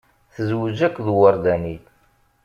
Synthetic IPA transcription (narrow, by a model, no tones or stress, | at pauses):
θəzwəd͡ʒækʷːðwəɾˤd̪æniθ